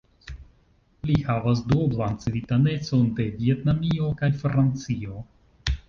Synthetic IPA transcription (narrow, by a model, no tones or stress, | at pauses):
lihavas̬doblant͡svitane̞t͡so̞nde̞vie̞tnamio̞kajfɾant͡sio̞